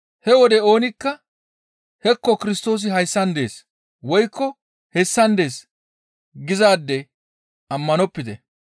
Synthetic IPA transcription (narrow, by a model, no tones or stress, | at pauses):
hɛwɔd̪ɛo̞ːnɪkːɐ | hɛkːɔkɪɾɪs̬t̪o̞ːs̬ɪɦɐjsːɐnd̪e̞̰ːs | wɔjkːɔ | hɛsːɐnd̪e̞ːs | ɡɪzaːd̪ːɛ | ɐmːɐnɔpːɪd̪ɛ